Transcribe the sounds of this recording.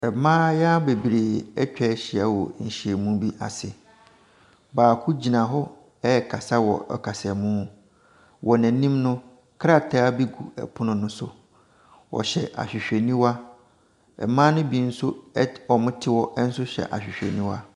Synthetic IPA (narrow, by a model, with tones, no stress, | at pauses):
ɛ˨mã˦ja˦be˨bɾeː˨ɛ˦t͡ɕᶣɛ˦ɕɪ˨a˦wɔ˨ɲ̩˨ɕi˨e˨mũ˦bi˦ʔa̰˨sɪ˨ | baː˨kʰʊ˦d͡ʑi˨nã˨ɦɔ˦ | ɛ˦˨kʰa˨sa˦wɔ̰˨ɛ̰˨kʰa˨sɛ˨mũ˦ | wʔɔ˨næ̃˨nĩ˦mnʊ̃˦ | kʰɾa˦˨tʰa˦a˦bi˦ɡṵ˨ɛ̰˨pʰʊ˦nʊ̃˨nʊ̃˦sʊ̰˨ | wɔ̰˨ɕɛ̰˨ʔa̰˨ɕᶣɪ˨ɕᶣe˨nĩ˦wa˦ | ɛ̰˨mã˦nʊ̃˦bi˨n̩˦sʊ˦ɔ˨mʊ̃˦tʰɪ˦wɔ˦ʔn̩˦sʊ˦ɕɛ̰˨ʔa̰˨ɕᶣɪ˨ɕᶣḛ˨nĩ˦wa̰˦